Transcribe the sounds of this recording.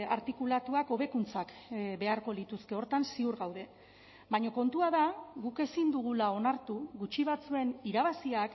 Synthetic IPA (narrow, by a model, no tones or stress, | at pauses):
a̰ɾt̪ikulat̪uako̞β̞e̞kunt͡sakbe̞aɾko̞lit̪uske̞o̞ɾt̪ansiuɾɣawðe̞ | bajɲo̞ko̞nt̪uaðaɣuke̞sind̪uɣ̞ulao̞naɾt̪uɣut͡ʃiβ̞at͡sue̞niɾaβasiak